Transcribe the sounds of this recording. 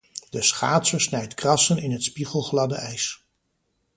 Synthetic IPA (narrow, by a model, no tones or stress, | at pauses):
d̥əsχa̰ːtsəɹsnɛjtkrɑsənɪnɦətspiχəlˠχlɑdəɛjs